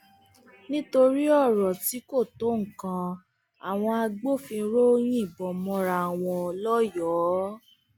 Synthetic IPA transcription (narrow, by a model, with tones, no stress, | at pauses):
nĩ˦to˧ɾi˦ɔ˦˨ɾɔ˨ti˨˦ko˦˨to˨˦ŋ̩˨kã˧ | a˨w̃ɔ̃˧a˧ɡ͡bo˦fĩ˧ɾo˦j̃ĩ˦˨bɔ˨mɔ̃˧ɾa˧˨a˨w̃ɔ̃˧lɔ˦jɔː˨˦